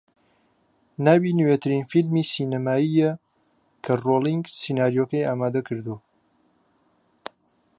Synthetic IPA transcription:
naːbinwet̪ʰɨɾinfilmiːsiːnɐmaːijɛ | kʰɐroːlˠiŋɡsiːnaːɾijoːkɐjaːmaːd̪ɐkʰɨɾd̪u

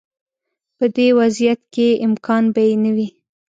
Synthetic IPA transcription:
pəd̪ewazijat̪keɪmkʰɑnbajenawi

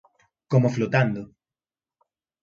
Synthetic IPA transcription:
komoflot̪and̪o

